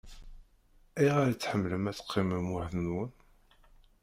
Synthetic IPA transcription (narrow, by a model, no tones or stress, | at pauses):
iʁaɾt͡sːħəmːləmæt͡sːə̥qʰːiməmʊħðnwən